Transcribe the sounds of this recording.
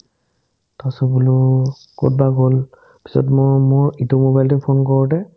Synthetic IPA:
tasubulu | ko̰t̚baɡol | pi̥sɔ̰tmɔmɔɹitomobajltipʰonkɔɹɔtɛ

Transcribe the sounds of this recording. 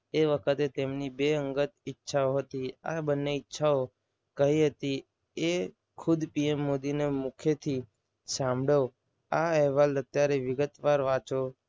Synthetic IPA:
eʋəkʰət̪et̪emnibeəŋɡət̪ɪtːʃʰaoɦət̪ia̰bənːeɪtːʃʰao | kəɦiɦət̪i | e | kʰʊd̪piemːod̪inemukʰjet̪ʰi | sãmbʱɽo | aɛɦʋalət̪jaɾeʋɪɡət̪ʋaɾʋat͡ʃo

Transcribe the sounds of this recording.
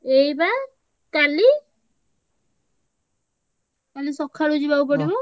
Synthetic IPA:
ejba | kali | kalisɔkʰːaɽud͡ʒibaup̬ɔɽibɔ

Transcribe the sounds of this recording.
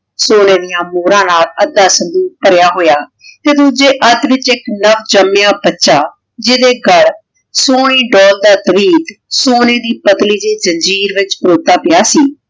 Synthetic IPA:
soːneːd̪ɪjãːmoːɾãːnaːləd̪ːaːsənd̪uːpəɾjaːɦoːjaː | t̪eːt̪ʊd͡ʒeːʔəd̪ʋɪt͡ʃɪknəʋd͡ʒəmejaːbətːʃaː | d͡ʒed̪eːɡəɽ | soːɽ̃iːɖɔːld̪aːt̪əʋiːt̪soːneːd̪iːpət̪liːd͡ʒeːd͡ʒəɲd͡ʒiːɾʋɪt͡ʃbəɾoːt̪aːpɪjaːsiː

